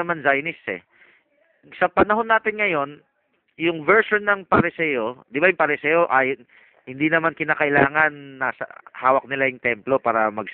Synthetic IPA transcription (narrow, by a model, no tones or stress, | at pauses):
ɐmanzajnɪsɛ̰ | sɐpɐnɐɦo̞nːaːt̪ɪnŋɐjo̞n | jʊŋvɛɹʃonːɐŋpɐɾɪsɛjo̞d̪ɪbajʊŋpɐɾɪsɛːjo̞ʔaːjon | hɪnd̪inɐmankɪnaːkɐʔɪlaːŋɐnːasɐ̰haːwɐk̚nɪlajʊŋt̪ɛmplo̞paːɾɐmɐɡ